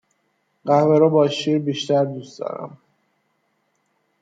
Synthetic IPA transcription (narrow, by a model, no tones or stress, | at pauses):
ɢæhveɾɔbɒːʃiːɾbiːʃt̪æɾd̪usd̪ɒ̰ːɾæ̰m